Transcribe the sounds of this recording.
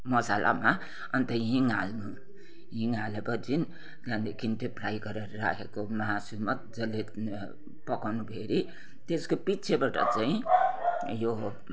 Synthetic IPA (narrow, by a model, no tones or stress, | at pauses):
mʌsalʔa̰ma | ʌnt̪ʌɦiŋalnu | ɦiŋalebʌd͡zin | d͡zand̪ekʰint̪eprajɡʌɾʌɾɾa̰kʰekomʌɦasulmat̪d͡zʌlːe | pʌkawnubʱeɾi | t̪eskopitːt͡sʰebaʈʌ̰t͡saĩ | jo